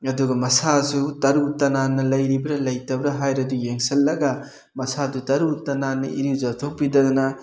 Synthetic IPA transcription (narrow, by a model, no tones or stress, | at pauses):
ɐduɡɐmɐsasutɐɾutɐnanːɐlɐjɾibɾɐlɐjtɐbɾɐɦajɾɐdujeŋsɐlːɐɡɐ | mɐsadutɐɾutɐnanːɐʔiɾizatʰok̚pidɐdɐnɐ